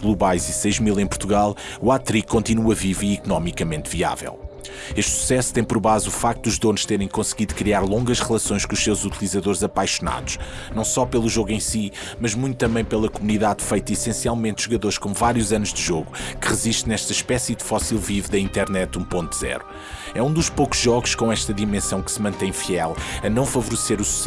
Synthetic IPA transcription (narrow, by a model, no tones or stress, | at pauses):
ɣlˠuβajzisɐjʒmilˠẽj̃puɾt̪uɣalˠuat̪ɾikːõnt̪inuɐviviːkunɔmikɐmẽnt̪via̰vɛ̰lˠ | eʃt̪su̥sɛsu̥t̪ɐ̃j̃pɔɾβazufak̚t̪ud̪uʒðonʃt̪eɾɐ̃j̃kõsɣiðukɾiaɾlˠõŋɡɐʃʁɨlˠɐsõj̃ʃkõuʃsewzut̪ilˠizɐðoɾzɐpajʃuna̰ðuʃ | nɐ̃w̃sɔpelˠuʒoɣẽj̃si | mɐʒmũt̪ut̪ɐ̃mbɐ̃j̃pelˠɐkumuniðaðfɐjt̪ɐisẽsialˠmẽnt̪ʒ̥uɣɐðoɾʃkõmuvaɾjuzɐnuʒd̪ɨʒoɣukɨʁɨziʃt̪̚nɛʃt̪ɐʃpɛsiðfɔsilˠvivðɐĩnt̪ɛɾnɛt̪ũpõnt̪̚z̥ɛ̰ɾu | ɛũd̪uʃpoku̥ʒɔɣuʃkõɛʃt̪ɐðimẽsɐ̃w̃kɨ̥smɐ̃nt̪ɐ̃j̃fiɛlˠɐnɐ̃w̃fɐvuɾseɾusu̥sɛ